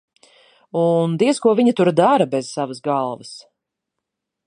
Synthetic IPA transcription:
und̪iɛskuɔviɲat̪uɾd̪aɾɐbɛz̥savəsɡalˠvəs

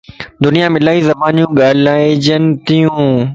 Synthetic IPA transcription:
d̪ʊnijamɪlaːizɐbaːnijũɠaːlaːd͡ʑənɪ̆t̪ijũː

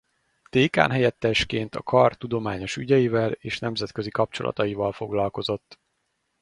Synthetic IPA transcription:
t̪eːka̰ːnɦɛjɛt̪ːɛʃkeːnt̪ɒ̰kʰɒrt̪ud̪o̞maːɲo̞ʃyɟɛjivɛleːʃnɛmzɛt̪̚køzikɒp̚t͡ʃo̞̰lʔɒ̰t̪ɒjivɒlfo̞ɡlɒlko̞zo̞t̪ː

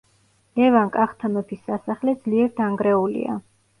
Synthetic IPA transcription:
lɛvaŋkʼaχt̪ʰamɛpʰisːasaχlɛd̪zliɛɾd̪aŋɡɾɛulḭa̰

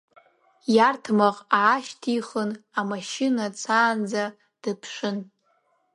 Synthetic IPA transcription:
jartʰmaqʼaːʃtʰiχənamaʃɪnat͡sʰaːnd͡za | d̥ɨpʰʂɨn

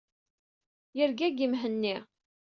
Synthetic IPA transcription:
jəɾɡæɡimɦənːi

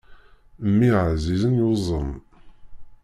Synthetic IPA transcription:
mːiʕzizənjozˤəm

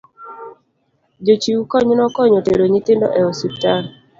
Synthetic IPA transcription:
d͡ʒot͡ʃiukɔɲnɔkɔɲɔteɾoɲit̪ɪndɔ̰ʔɛositːa

